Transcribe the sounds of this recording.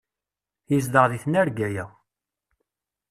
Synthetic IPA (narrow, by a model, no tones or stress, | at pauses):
jizd̪əʁðiθnæɾɡæjæ